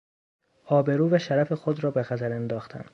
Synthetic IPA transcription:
ɒːbe̞ɾuːvæʃæɾæfexod̪ɾɒːbe̞xæt̪ʰæɾend̪ɒːxt̪ʰæ̰n

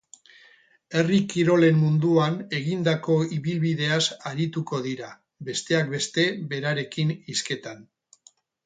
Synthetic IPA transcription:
e̞rikiɾo̞le̞mmund̪uane̞ɣ̞ind̪ako̞iβilβiðe̞asaɾit̪uko̞ðiɾa | be̞st̪e̞akbe̞st̪e̞βe̞ɾaɾe̞kiniske̞t̪an

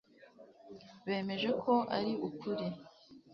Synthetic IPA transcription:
βe̞ːme̞ʒe̞kʰo̞ʔa̰ɾiukʰuɾi

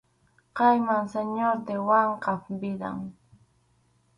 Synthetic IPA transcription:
qɑjmaŋseɲoɾt̪ewaɴqɑpbɪɾa̰ŋ

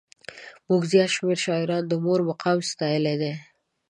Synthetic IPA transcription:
muɡzjɑt̪ʃmeɾʃɑɪɾɑnd̪əmoɾmaqɑmst̪ɑjəled̪e

